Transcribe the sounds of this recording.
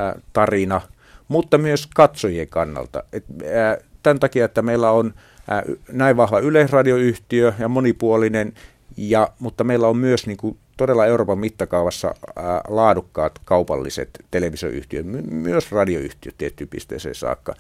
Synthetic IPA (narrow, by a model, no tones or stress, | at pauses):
t̪ɑrinɑ | mut̪ːɑmyøskɑt̪sojieŋkɑnːɑ̰lt̪ɑ̰et̪ːt̪ænt̪ɑkiɑet̪ːæmeilːæon | næiʋʋɑhʋɑyleisrɑdioyht̪iøjɑmonipuolinen | jɑmut̪ːɑmeilːæommyøsniːŋku | t̪odelːɑeuroːpɑmmit̪ːɑkɑuʋɑsːɑ̰lɑːdukːɑːt̪kɑupɑ̰lːḭsḛt̪t̪eleʋiso̰ʔy̰ht̪iø̰t̪mymyøsrɑdio̰y̰ht̪iø̰t̪tiet̪ːypḭst̪ḛˑːsḛːsɑ̰ːkːɑ̰